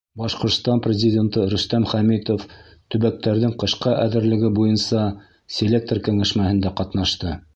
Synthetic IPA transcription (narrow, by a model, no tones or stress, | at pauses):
bɑʃqŏɾt̪st̪ɑnprʲɪzʲɪdʲent̪ɤɾɵ̆st̪æmχæmit̪oft̪ɵ̆βæk̚t̪æɾðɘɴqɤ̆ʃqɑʔæðɘ̆ɾlɘ̆ɡɘbujɤnsɑ | sʲelʲek̚t̪rkɘ̆ŋæʃmæhɘ̆nd̪æqɑt̪nɑʃt̪ɤ